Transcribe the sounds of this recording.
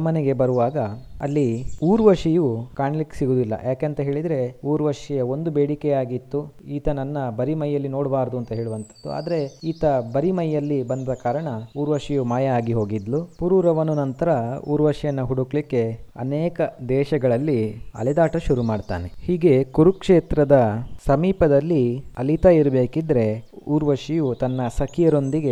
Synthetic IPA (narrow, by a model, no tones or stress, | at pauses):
mɐneɡe̞bɐɾuʋaːɡɐɐ̰lːiuːɾʋɐʂijukaːɳlikːsiɡuːd̪ilːɐ̰jaːkeɐnt̪ɐɦe̞ːɭid̪ɾe̞uːɾʋɐʂijɐo̞nd̪ubeːɽikejaːɡit̪ːuiːt̪ɐnɐnːɐbɐɾimɐjːɐlːino̞ːɽbaːɾɐd̪uɐnt̪ɐɦe̞ːɭuʋɐnt̪ʰɐ̥d̪ːua̰ːd̪ɐɾe̞iːt̪ɐbɐɾimɐjːɐlːibɐnd̪ɾɐkaːɾɐɳɐuːɾʋɐʂijumaːjɐaːɡiɦo̞ːɡid̪lupuɾuːɾɐʋɐnːunɐnt̪ɐɾɐṵːɾʋɐʂjɐnːɐɦuɽukɭikːe̞ɐ̰neːkɐd̪ɛːʃɐɡɐɭɐlːiɐ̰lɛd̪aːʈɐʃuɾumaːɖt̪a̰ːnehiːɡe̞kuɾukʂeːt̪ɾɐd̪ɐsɐmiːpɐd̪ɐlːiɐlit̪ɐiɾɐbe̞ːkid̪ɾe̞uːɾʋɐʂijut̪ɐnːɐsɐkʰijɐɾo̞nd̪iɡe